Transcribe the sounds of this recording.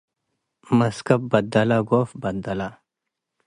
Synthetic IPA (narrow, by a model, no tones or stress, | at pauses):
mɐskɐb̚bɐd̪ɐlaɡoːfbɐd̪d̪ɐla